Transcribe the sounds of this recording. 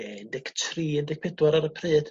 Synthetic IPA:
ɛɪndɪktʰriːɛndɪk̚pʰɛdwaɾaɾəpʰrɨːd

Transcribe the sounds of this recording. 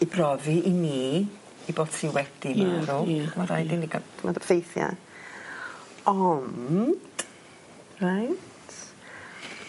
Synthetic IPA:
ibrɔviʔiniː | iboːd̥sʰiːwɛd̥ɪnaɾumaɾa̰jdɪniɡa̰tʰmadə̥fejθja̰ | ɔnd̥ | rajtʰ

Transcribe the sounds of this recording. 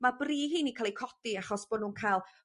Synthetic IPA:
mabriːɦiːnikʰalˠikʰɔd̥iaχɔsb̥ɔdnuːnkʰajlˠ

